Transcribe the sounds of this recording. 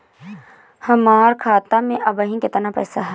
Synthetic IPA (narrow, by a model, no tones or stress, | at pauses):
hɐmaːɾkʰaːt̪amẽʔɐbəɦĩkɪt̪napɛ̰ːsaɦɛ